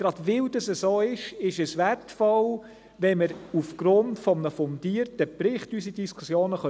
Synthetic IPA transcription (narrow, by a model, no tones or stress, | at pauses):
ɡ̥ɾɑd̥ʋɪldɑsəsoːɪʃɪʃəsʋærtfɔl | ʋɛməɾufɡ̥ɾʊntfɔmnəfɔndiːərtəpɾɪχtysidiskʰusjoːnəχœ